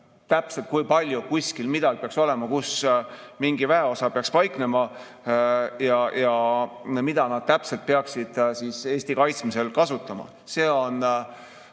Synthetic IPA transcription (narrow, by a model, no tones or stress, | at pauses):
t̪æpselt̪̚kujpɑlʲjukuskilmid̪ɑɡʲpeɑkso̞le̞mɑkusmiŋɡ̥ivæeo̞sɑpeɑkspɑjkne̞mɑ | jɑjɑ | mid̪̥ɑnɑd̪̥̚t̪æpselt̪̚peɑksid̪̥sise̞ːst̪ikɑjt̪smise̞lkɑsut̪ːˑɑmɑ̰ | se̞ːo̞n